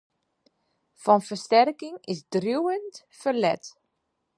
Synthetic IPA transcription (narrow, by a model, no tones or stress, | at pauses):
fɑnfərstɛrkɪŋɪzdruwənt | fərlɛ̰t